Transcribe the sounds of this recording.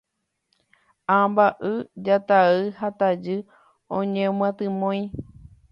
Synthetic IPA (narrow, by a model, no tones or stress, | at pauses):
ãmbaʔɨd͡ʒat̪aɨhat̪ad͡ʒɨ | õɲẽmãt̪ɨ̃mõj̃